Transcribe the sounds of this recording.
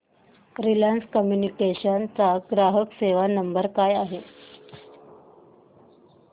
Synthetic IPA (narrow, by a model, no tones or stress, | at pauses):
ɾilanskəmjunikeɕənt͡saɡɾaɦəkseʋanəmbəɾkajaɦe